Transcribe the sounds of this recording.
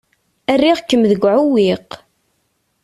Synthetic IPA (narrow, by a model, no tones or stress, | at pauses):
ærːiʁkːəmðəɡʷʕuwiq